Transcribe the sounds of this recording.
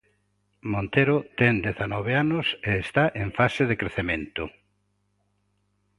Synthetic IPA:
mõnt̪eɾʊt̪ɛŋd̪eθanɔβ̞eanʊseːst̪aʔeɱfaseðekɾeθemẽnt̪ʊ

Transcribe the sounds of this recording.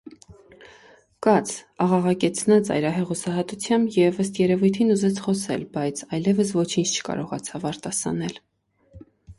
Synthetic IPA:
kɑt͡sʰɑʁɑʁɑkɛt͡sʰnɑt͡sɑ̰jɾɑɦɛʁusɑɦɑt̪ut͡sʰjɑmbjɛvəst̪jɛɾɛvujt̪ʰinuzɛt͡sʰχɔsɛ̰lbɑjt͡sʰɑjlɛvəsvɔt͡ʃʰint͡ʃʰt͡ʃʰə̥kɑ̰ɾɔʁɑt͡sʰɑvɑɾt̪ɑsɑ̰nɛl

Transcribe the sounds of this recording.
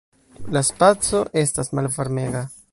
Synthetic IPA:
laspat͡so̞ʔe̞stasmalvoɾme̞ɡa

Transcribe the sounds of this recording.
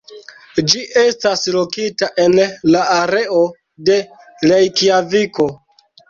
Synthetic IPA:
d͡ʒiʔe̞staslokitaʔe̞nlaaɾe̞o̞ | de̞ | lejkiaviko̞

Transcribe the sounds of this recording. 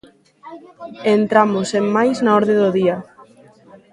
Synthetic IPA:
ent̪ɾamosemːajznaɔɾðeðoðia

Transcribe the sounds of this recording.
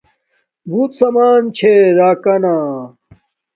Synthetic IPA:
bʱuːt̪sɐmaːnt͡ɕʰeɾaːkɐnaː

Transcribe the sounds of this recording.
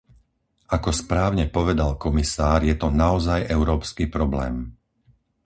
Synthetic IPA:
akɔspɾaːʊɲɛpɔʋɛd̪alkɔmisaːɾjɛt̪ɔnaɔzajɛʊɾɔːpskiːpɾɔblɛ̰ːm

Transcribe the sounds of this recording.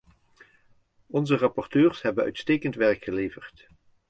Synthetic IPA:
ɔnzərɑpɔrtøːɹsɦɛbənœ̰ɥtstejkəntʋɛɹkχəlejvərt

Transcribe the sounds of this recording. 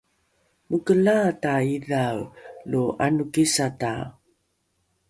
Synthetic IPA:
mukəlataiðawlua̰nukisata

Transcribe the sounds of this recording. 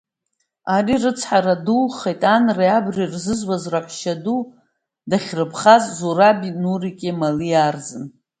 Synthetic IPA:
arirɨt͡sʰħaɾadulχejtʼanrajabrirzɨzwazraħʷʃadu | daχʲrɨpʰχazzurabinurikʲʼemalijard͡zɨn

